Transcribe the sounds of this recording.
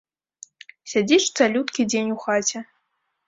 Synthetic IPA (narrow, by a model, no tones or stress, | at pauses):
sʲad͡zʲiʂt̪salʲut̪kʲid͡zʲenʲuxat͡sʲɛ